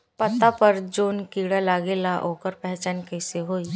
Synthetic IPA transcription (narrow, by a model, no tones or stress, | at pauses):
pɐt̪ːapɐɾd͡ʒoːnkiːɽalaːɡelaʔoːkəɾpɛɦt͡ʃaːnkɛɪseɦoːi